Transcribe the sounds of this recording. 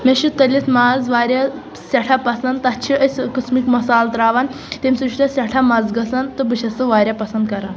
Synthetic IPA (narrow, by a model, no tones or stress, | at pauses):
meɕit̪ɐlʲit̪maːzʋaːɾʲja | sɐʈʰapɐsɐnd̪t̪ɐt͡ʃʰiʔəsʲkəsmikmɐsaːlt̪ɾaːʋan | t̪emʲsuʃʰit̪ɐsʲɐʈʰamɐd͡zɡɐsant̪ɨbəɕɐsɨʋaːɾʲjapɐsɐnd̪kɐɾan